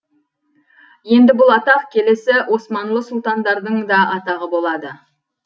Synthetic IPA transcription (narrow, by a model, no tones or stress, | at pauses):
je̞nd̪ɪbʊlˠɑt̪ɑqkʲʰe̞le̞sɪwʔo̞smɑnlˠəsʊlˠt̪ɑnd̪ɑɾd̪əɴd̪ɑʔɑt̪ɑʁəbo̞lˠɑd̪ə